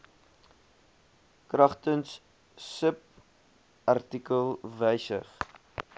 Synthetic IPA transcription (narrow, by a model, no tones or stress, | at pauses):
krɐχtəns | səp̚ | ʔɐrtikəlˠvɛjsə̰χ